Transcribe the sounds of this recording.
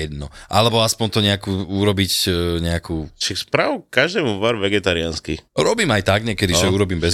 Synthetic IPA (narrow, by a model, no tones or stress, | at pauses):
ɛd̪nɔʔalɛbɔaspɔnt̪ɔɲɛakuːuɾɔbicɲɛakʰuːʃakspɾaːʋukaʒd̪ɛːmuʋaɾʋɛɡɛt̪aɾianskiɾɔbiːmajt̪aɡɲɛkɛd̪iʒɛuɾɔbiːmbɛz